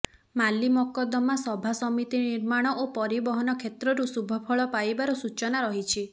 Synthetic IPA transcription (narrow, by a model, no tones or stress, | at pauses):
malimɔkɔd̪ɔmasɔbʱasɔmit̪iniɾmaɽ̃ɔʔopɔɾibɔɦɔnɔkʰet̪ɾɔɾusubʱɔpʰɔɭɔpajbaɾɔsut͡ʃɔnaɾɔɦit͡ʃʰi